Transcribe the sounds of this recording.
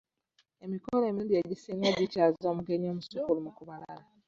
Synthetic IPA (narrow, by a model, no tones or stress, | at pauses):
e̞mikole̞ːmiudieɟisiːŋɡaβicazoːmuɡe̞ɲomuseulimukuβala̰la